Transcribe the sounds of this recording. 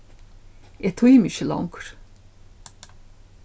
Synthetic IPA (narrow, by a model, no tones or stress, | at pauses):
et̪ʰuimiʃilɔ̰ŋkɾ̥